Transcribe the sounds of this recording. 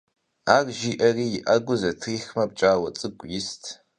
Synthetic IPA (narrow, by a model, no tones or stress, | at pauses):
aːrʒiːʔɐriːjɪʔɐɡʷʊzɐtʰiːxmɐp̚t͡ʃʼaːwɐt͡sʼɨkʷʼjɪstʰ